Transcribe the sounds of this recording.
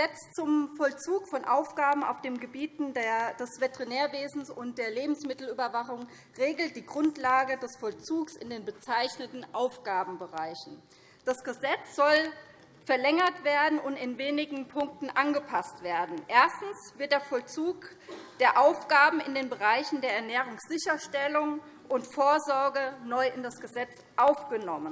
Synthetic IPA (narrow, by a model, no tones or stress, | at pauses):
zɛt͡st͡sʊmfɔlt͡suːkfɔnʔaʊfɡ̥aːbm̩a̰ʊfd̥eːmɡəbiːtn̩dɐd̥ɛsv̥etɛʁineːɐveːzn̩sʊnt̚d̥eːɐleːbm̩smɪtl̩yːbɐvaχʊŋ | ʁeːɡl̩t̚d̥iːɡʁʊntlaːɡədɛsfɔlt͡suːksɪndeːnbət͡saɪçnətn̩ʔaʊfɡ̥aːbm̩bəʁaɪçn̩ | d̥asɡ̥əzɛt͡sz̥ɔl | fɛɐlɛŋɐtv̥eːɐdn̩ʊntɪnveːnɪɡŋ̩pʰʊŋk̚tn̩ʔanɡəpʰastv̥eːɐdn̩ʔeːɐstn̩sv̥ɪɐt̚d̥eːɐfɔlt͡suːk | d̥eːɐʔaʊfɡ̥aːbm̩ɪndeːnbəʁaɪçn̩deːɐɛɐnɛːʁ̞ʊŋsz̥ɪçɐʃtɛlʊŋ | ʔʊntfoːɐzɔɐɡənɔʏʔɪndasɡ̥əzɛt͡s | ʔaʊfɡ̥ənɔmən